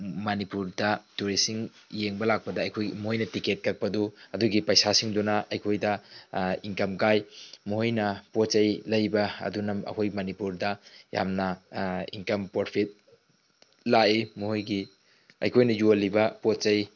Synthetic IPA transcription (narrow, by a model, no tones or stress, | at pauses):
manipuɾdɐtuɾisiŋjeŋbɐlak̚pɐdɐɐjkʰojmuɦojnɐtiket̚kɐk̚pɐduɐduɡipɐjsasiŋdunaʔɐjkʰojdɐiŋkɐmkajmuɦojnɐpot̚t͡ʃɐjlɐjbɐɐ̰dunɐmɐ̰kʰojɡmɐnipuɾdɐja̰mnɐḭŋkɐmpoɾpʰit̚ | laimuhojɡi | ɐ̰jkʰojnɐjulibɐpot̚t͡ʃɐj